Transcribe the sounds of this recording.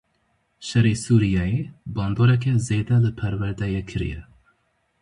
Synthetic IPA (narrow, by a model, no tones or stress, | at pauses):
ʃɛɾeːsuːɾijɑjebɑːnd̪oːɾɛk̬ɛzeːd̪ɛlɨpʰɛɾwɛɾd̪ɛjekʰɨɾḭjɛ̰